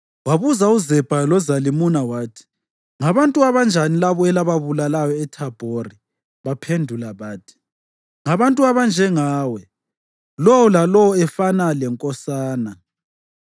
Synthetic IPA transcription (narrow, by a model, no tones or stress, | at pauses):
waβuzauzɛb̥ʱalɔzalimunawaːtʰi̥ | ŋaβantʼuaβand͡ʒʱanilaβɔɛlaβaβulalajɔɛtʰab̥ʱori | βapʰendʱulaβaːtʰi̥ | ŋaβantʼuaβand͡ʒʱɛŋaːwɛ | lɔwɔlalɔwɔɛfanalɛŋkʼɔsaːna